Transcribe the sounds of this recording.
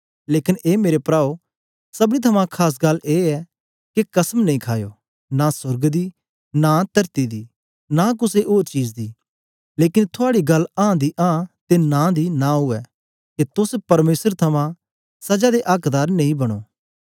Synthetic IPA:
leːkɪneːmeːɾepɾaːo | sɐbɽ̃it̪ʰɐmãkʰaːs̬ɡɐlːeːɛ | kekɐsmnɐ̃ĩkʰaːjo̰ː | nasʊɾɡd̪i | nat̪ɐɾt̪id̪iː | nak̬ʊseʔoːɾt͡ʃiːd͡ʒd̪iː | leːkɪnt̪ʰʊaːɽiɡɐlːãːd̪iʔãːt̪enãːd̪inãɦʊɛ | ket̪ʊspɐɾmeːsəɾt̪ʰɐmã | sɐd͡ʒad̪eʔaːkd̪aːɾnɐ̃ĩbɐɽ̃o̰ː

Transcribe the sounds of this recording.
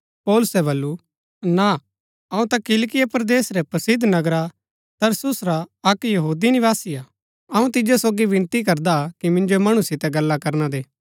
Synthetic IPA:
pɔːlʊsɛβɐlːu | na | ɐũt̪akɪlkɪjapɾd̪eːsɾɛpɐsɪd̪ʱnɐɡɾa | t̪ɐɾsʊsɾaɐkjɐɦuːd̪inɪʋaːsɪja | ɐũt̪ɪd͡ʒesoːɡibɪ̃nt̪ikɐɾd̪akimɪ̃nd͡ʒomɐɽ̃usɪt̪ɛɡɐlːakɐɾnad̪eː

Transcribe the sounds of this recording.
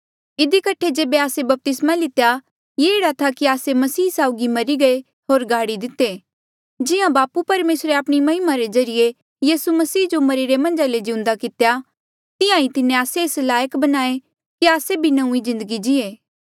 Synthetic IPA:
ɪd̪ikɐʈʰed͡ʒeːbeaːsebɐp̚t̪ɪsmalɪt̪eja | jeeːɽat̪ʰakiaːsemɐsiːsaːʊɡimɐɾiɡɐe | ɦoːɾɡʱaːɽid̪ɪt̪eː | d͡ʒɪjãbaːpupɐɾmeːsɾeɐpɽ̃imɐɦɪmaɾezɐɾɪje | jiːsumɐsiːd͡ʒomɐɾiɾemɐ̃nd͡ʒaled͡ʒɪʊ̃nd̪akɪt̪eja | t̪ɪjãit̪ɪnẽaːseːslaːjəkbɐnaːe | kiaːsebʱinɐũizɪ̃nd̪əɡid͡ʒɪeː

